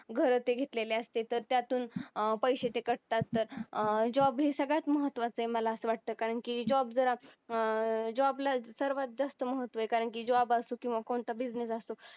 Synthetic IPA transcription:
ɡʱəɾt̪eɡʱet̪leleəst̪et̪əɾt̪jat̪uːnpəjɕet̪ekəɽt̪at̪ːəɾd͡ʑɔbɦesəɡɭjat̪məɦət̪ːʋat͡səɦeməlaəsəʋaʈ̚t̪əːkaɾəɳkiːd͡ʑɔbd͡zəɾa | d͡ʑɔblasəɾʋat̪̚d͡zast̪əməɦət̪ːʋəekaɾəɳkiːd͡ʑɔbasuːkĩʋakoɳt̪abid͡znesasu

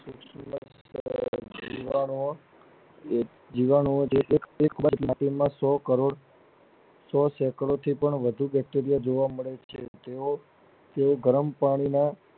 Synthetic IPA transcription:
suksməs | d͡ʒḭʋao | d͡ʒiʋanoot͡ʃʰeʔekekbamaʈimãsɔkəɾoɽ | sɔsɛkəɭot̪ʰipəɳʋəd̪ʱubɛk̚ʈeɾijad͡ʒoʋaməɭet͡ʃʰet̪eo | t̪eoɡəɾəmpaɽ̃ina

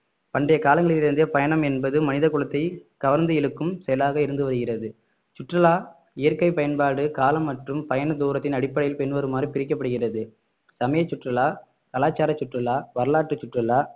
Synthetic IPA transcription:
pɐɳɖɐjɐkaːlɐŋɡɐɭɪlɪɾɯnd̪ɐpɐjɐɳɐmɛnbɐðɯmɐnɪðɐkːʊɭɐt̪ːɐɪkɐʋɐɾnd̪ɯjɪɭɯkːɯmsɛjɐlaːɣɐɪɾɯnd̪ɯʋɐɾɯɣɪrɐðɯ | t͡ʃʊʈːrɐlaː | ɪjɐɾkɐɪpːɐjɐnbaːɽɯkaːlɐmːɐʈrɯmpɐjɐnɐd̪uːɾɐt̪ːɪnɐɽɪpːɐɽɐjɪlpɛɳʋɐɾɯmaːdripɪɾɪk̬ːɐpːɐɽɯɣɪrɐðɯ | sɐmɐjɐt͡ʃːʊʈrɐlaː | kɐlaːt͡ʃːaːɾɐt͡ʃːʊʈrɐlaːʋɐɾɐlaːʈːɯt͡ʃːʊʈrɐlaː

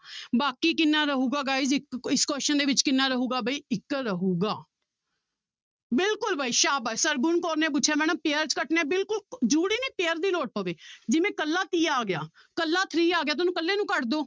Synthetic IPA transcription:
baːkiːkɪnːaːɾəɦuːɡaːɡaːizɪkɪskoːʃənd̪eːʋɪt͡ʃkɪnːãːɾəɦuːɡaːbəiːɪkɾəɦuːɡaː | bɪlkʊlbaːiːʃaːbasəɾɡʊɳkoːɾnẽːp̬ʊt͡ʃːʃʰeːmɛ̃ːñãːpeːəɾt͡ʃkəʈneːbɪlkʊld͡ʒuːɽiːniːpeːɾd̪iːloːʈ̚poːʋeːd͡ʒɪʋẽːkəlːaːt̪iːaːɡɪja̰ː | kəlːaːt̪ʰɾiːaːɡɪjaːt̪ʊnũːkəlːeːnũːkəʈd̪oː

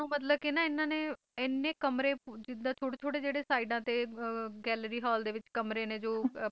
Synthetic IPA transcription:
ũːmət̪̬ləbkinãːɪnːãːneː | ɪnːeːkəmɾeːd͡ʒɪd̪ãːt͡ʃʰoːɽeːt͡ʃ̪ʰoːɽeːd͡ʒeːɽeːsaːiːɖãːt̪eːɡɛːlɾiːɦɔːld̪eːʋɪt͡ʃkəmɾeːnẽːd͡ʒoː

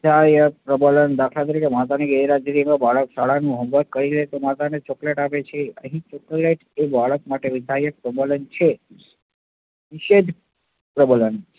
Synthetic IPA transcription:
d̪ʱajəpɾəbələnd̪akʰlat̪̬əɾikemat̪aniɡəiɾad͡ʒɾimãbaɭəkʃaɭanũɦə̃mbəɾkəɾilet̪omat̪anet͡ʃɔkleʈapet͡ʃʰeəɦĩt͡ʃɔkleʈebʱaɭəkmaʈeʋid̪ʱajək̚pɾəbələnt͡ʃʰe | nɪʃed͡ʒ | pɾəbələn

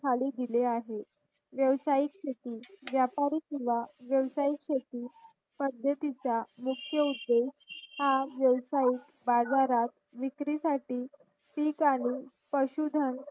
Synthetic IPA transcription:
kʰaliːd̪ileaɦe | ʋjəʋsaikɕʰet̪iːʋjapaɾiːkĩʋaʋjəʋsaikɕet̪iː | pəd̪ʱjət̪it͡samukʰjəud̪ːeshaʋjəʋsaiːk | bad͡zaɾat̪ | ʋikɾisaʈiː | piːkaɽ̃i | pəɕud̪ʱən

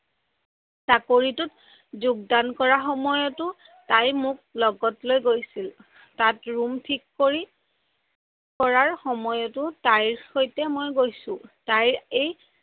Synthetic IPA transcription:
sakoɹitʊt | zuɡ̚dankɔɹaxɔmɔjɔtʊ | tajmʊk̚lɔɡɔtlojɡojsil | tatɹumtʰikːoɹi | kɔɹaɹxɔmɔjɔtʊtajɹxojtɛmojɡojsʊ̃tajɹej

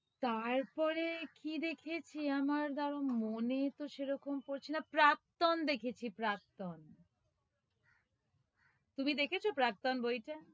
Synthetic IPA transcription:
t̪aɾpɔɾekid̪ekʰet͡ɕʰiamaɾd̪aɾomonet̪oʃeɾɔkomkoɾt͡ɕʰinapɾak̚t̪ond̪ekʰet͡ɕʰipɾak̚t̪on | t̪umid̪ekʰet͡ɕʰopɾak̚t̪onbojʈa

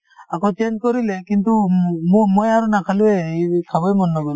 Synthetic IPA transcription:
akɔt͡ʃend͡ʒkɔɾilekint̪ummɔjaɾunakʰaluweisʰabɔjmɔnːɔɡɔ

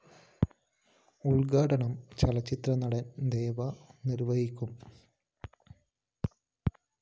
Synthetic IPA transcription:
uɭɡaːɽɐɳɐmt͡ɕɐlɐt͡ɕːit̪rɐnɐɽɐnd̪e̞ːʋɐniɾʋɐɦikʲːum

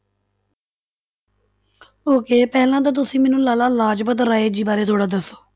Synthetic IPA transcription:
ɦoːkeːpɛːlãːt̪̬aːt̪̬ʊsĩːmɛːnũːlaːlaːlaːd͡ʒpət̪ɾaːeːd͡ʒiːbaːɾeːt̪ʰoːɽaːd̪əsoː

